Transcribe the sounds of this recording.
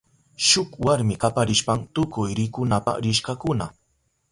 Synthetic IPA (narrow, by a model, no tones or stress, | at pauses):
ʃʊkwaɾmɪkapaɾɪʃpaŋt̪ʊkʊjɾɪkʊnapa̰ɾɪʃkakʊna